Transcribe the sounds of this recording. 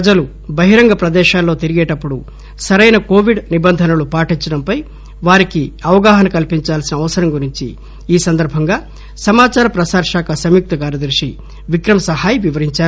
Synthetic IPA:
pɐd͡ʒɐlu | bɐɦiɾɐŋɡɐpɾɐd̪ɛːʃaːlːo̞ːt̪iɾiɡeːʈɐpːuɽu | sɐɾɐjnɐko̞ːʋiɖnibɐnd̪ʱɐnɐlupaːʈiɲt͡ʃɐɽɐmpɐj | ʋaːɾikiɐʋɐɡaːɦɐnɐkɐlpiɲt͡ʃaːlsinɐːʋɐsɐɾɐmɡuɾiɲt͡ʃḭ | iːsɐnd̪ɐɾbʱɐŋɡaː | sɐmaːt͡ʃaːɾɐpɾɐsaːɾʃaːkʰɐsɐmjuk̚t̪ɐkaːɾjɐd̪ɾiʂi | ʋikɾɐmɐsɐɦaːjɐʋiʋɐɾiɲt͡ʃaːɾu

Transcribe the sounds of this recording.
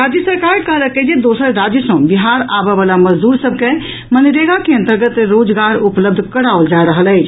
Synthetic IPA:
ɾad͡ʒjəsəɾkaɾkəɦɾəked͡ʒed̪osəɾɾad͡ʒəsə̃biɦaɾabəbalaməd͡ʒd̪uɾsəb̚ʱke | mənɾeɡakeənt̪əɾɡət̪ɾod͡ʒɡaɾupləb̚d̪ʱkəɾaold͡ʒaɾəɦəlɛt͡ʃʰ

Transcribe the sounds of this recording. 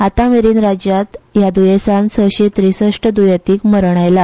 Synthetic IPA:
at̪ãʋeɾiːnɾad͡ʑjat̪jad̪ujesãnsəwɕet̪ɾisəʂʈəd̪ujat̪iːkməɾɳ̃ajla

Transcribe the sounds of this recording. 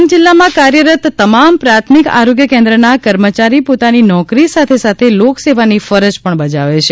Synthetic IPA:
md͡ʒɪlːamãkaɾjəɾət̪t̪ːəmampɾat̪ʰmika̰ɾoɡjəkẽnd̪ɾənakəɾmət͡ʃaɾipot̪aninɔkɾisat̪ʰesat̪ʰelokseʋanifəɾəd͡ʒpəɳbəd͡ʒaʋet͡ʃʰe

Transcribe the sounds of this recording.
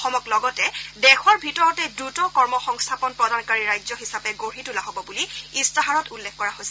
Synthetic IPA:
xɔmɔklɔɡɔtɛdɛxɔɹbʱitɔɹɔtɛdɹutɔkɔɹmɔxɔŋstʰapɔnpɹɔdʱankaɹiɹajzɔɦisapɛɡoɹitulaɦobɔbuliistaɦaɹɔtulːɛkkːɔɹaɦosɛ

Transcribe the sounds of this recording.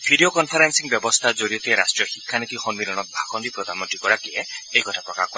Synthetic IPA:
bʱidiokɔnpʰaɾensiŋbjɔbɔst̪ʰazoɾiɔt̪iɾasʈɹijɔxikʰːanit̪ixɔnmilɔnɔt̪̚bʱakʰɔndipɾɔd̪ʱamɔnt̪ɾikɔɹakiɛejkɔtʰapɹɔka̰hkɔ

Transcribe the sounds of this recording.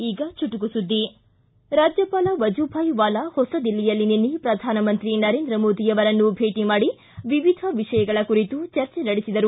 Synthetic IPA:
iːɡɐt͡ʃuʈuɡusud̪ːi | ɾaːd͡ʒjɐpaːlɐʋɐd͡ʒubʱajʋaːlɐhɔsɐd̪ilːijɐlːininːipɾɐd̪ʱaːnɐmɐnt̪ɾinɐɾeːnd̪ɾɐmoːd̪ijɐʋɐɾɐnːubʱe̞ːʈimaːɽi | ʋiʋid̪ʱɐʋiʂɐjɐɡɐɭɐkuɾit̪ut͡ʃɐɾt͡ʃɛnɐɽisid̪ɐɾu

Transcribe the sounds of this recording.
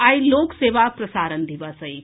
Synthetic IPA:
ailokseːʋapɾɐsaɾənd̪ʱiʋasəi

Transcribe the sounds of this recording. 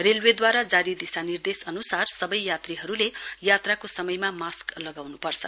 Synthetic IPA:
relwed̪waɾad͡zaɾid̪isanird̪esʌnusarsʌbʌjjat̪riɦʌɾulejat̪rakosʌmʌjmamasklʌɡawnupʌrt͡sʰʌ̰

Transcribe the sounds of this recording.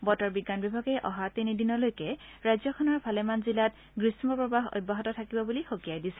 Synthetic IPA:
bɔtɔɹbiɡːanbibʱaɡɛjʔɔɦatinidinɔlojkɛɹajzɔkʰɔnɔɹpalɛmanzilat | ɡɹismɔpɹɔbaɦo̰j̚baɦɔtɔtʰakibɔbulixokijajdisɛ̥

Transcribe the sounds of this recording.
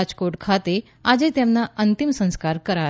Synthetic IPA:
d͡ʑkoɾʈkʰat̪e | ad͡ʑet̪jɛmnaʔənt̪imsə̃ñskaɾkəɾa

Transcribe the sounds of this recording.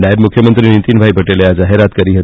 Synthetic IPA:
najebmukʰjəmənt̪ɾinit̪inbʱaipəʈeljad͡zaɦeɾat̪kəɾiːɦət̪

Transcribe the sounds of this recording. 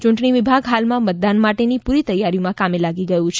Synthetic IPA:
t͡ʃʊɳʈɳiʋibʱaɡɦalmãmət̪̚d̪anmaʈenipuɾit̪əjːaɾiumãkamelaɡiɡəjũt͡ʃʰe

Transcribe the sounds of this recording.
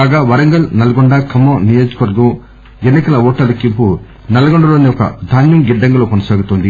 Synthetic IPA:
kaːɡaːʋɐɾɐŋɡɐlnɐlɐɡoɳɖɐːkɐmːoːnijoːd͡ʒɐ̥kɐʋɐɾɡɐm | enːikɐlɐɔːʈːɐlɐkːimpu | nɐlɐɡoɳɖɐloːnːiɔkɐ̰d̪ʱaːnjɐmɡiɖːɐŋɡɐloːkonɐsaːɡut̪oːnd̪i

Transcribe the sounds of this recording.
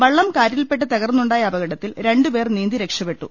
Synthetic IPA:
ʋɐɭːɐmkaːɾjɐlpe̞ʈːɨt̪ɐɣɐrnːuɳɖaːjɐɐbɐɣɐɽɐt̪ːilɾe̞ɳɖupe̞ːrniːnd̪iɾe̞kʂɐpe̞ʈːṵ

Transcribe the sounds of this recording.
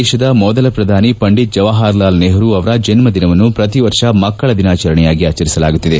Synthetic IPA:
ɛːʃɐd̪ɐmɔd̪ɐlɐpɾɐd̪ʱaːnipɐɳɖit̪̚d͡ʒɐʋaːɦaːɾlaːlneːɦɐɾuɐʋɐɾɐd͡ʒɐnmɐd̪inɐʋɐnːupɾɐt̪iʋɐɾʂɐmɐkːɐɭɐd̪inaːt͡ʃɐɾɐɳɛjaːɡiaːt͡ʃːɐɾisɐla̰ːɡut̪ːid̪e

